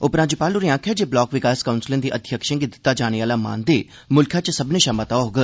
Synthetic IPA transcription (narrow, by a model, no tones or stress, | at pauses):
ʊpɾãːd͡ʒɪpaːluɾiãːkʰɛːd͡ʒeːblɔːkʋɪkaːskaʊnslɪ̃nd̪iːʔəd̪ʱjəkʃə̃ŋɡid̪ɪt̪ːad͡ʒaːñeʋaːlama̰ːnd̪eː | mʊlkʰjãt͡ʃsɐbneʃɐmət̪aːɦoːɡə